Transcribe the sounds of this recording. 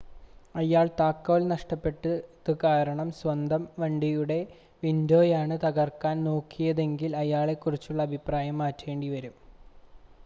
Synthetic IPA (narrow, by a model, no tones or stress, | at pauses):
ɐjaːɭt̪aːkːoːlnɐʂʈɐpːe̞ʈːɨðɨkaːɾɐɳɐmsʋɐnd̪ʱɐmʋɐɳɖijuɽe̞ | ʋindo̞ːjaːɳɨt̪ɐɣɐrkːaːnno̞ːkʰːijɐðe̞ŋɡilɐjaːɭe̞kːurit͡ɕːuɭːɐːbʱipraːjɐmːaːtːʋe̞ːɳɖiʋɐɾum